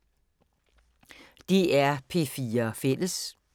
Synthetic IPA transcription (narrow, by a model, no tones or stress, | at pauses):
d̥iæɐpʰe̝̰ːfiːɐfel̰əs